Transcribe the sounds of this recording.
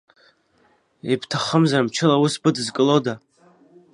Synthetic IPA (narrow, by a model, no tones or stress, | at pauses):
ibʰtʰaχəmzarmt͡ʃʰɪlawusbɨdɨzkʼɨloda